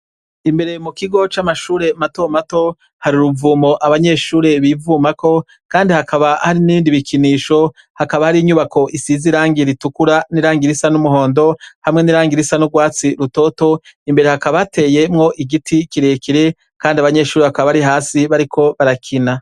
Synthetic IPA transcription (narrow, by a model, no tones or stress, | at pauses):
imbe̞ɾe̞mukiɡo̞t͡ʃamaʃuːɾe̞mato̞mato̞ | haɾiuɾuvuːmo̞ʔaβaɲe̞ːʃuːɾe̞βiːvuːmako̞ | kaːndihakaβahaɾiniːndiβikʰiniːʃo | hakaβahaɾiːɲuβako̞ʔisiziɾaːŋɡiɾitukuɾaniɾaːŋɡiɾisanumuɦo̞ːndo̞hamŋe̞niɾaːŋɡiɾisanuɾɡwaːt͡siɾuto̞ːto̞imbe̞ɾe̞hakaβatʰe̞ːje̞mŋo̞ʔiɡitʰikiɾe̞ːkʰiɾe̞ | kaːndiaβaɲe̞ːʃuːɾeβakaβaβaɾiɦaːsiβaɾikʰo̞βaɾakʰina